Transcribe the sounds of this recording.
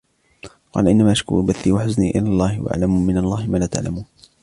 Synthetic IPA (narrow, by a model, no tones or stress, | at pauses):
qɑ̰ːlaʔɪnːamaːʔaʃkʊ̰ɾubaθːiːwaħʊzniːʔɪ̰laːlˤːɑːhɪwaʔa̰ʕlamumɪnalˤːɑːhɪmaːlaːt̪a̰ʕla̰muːn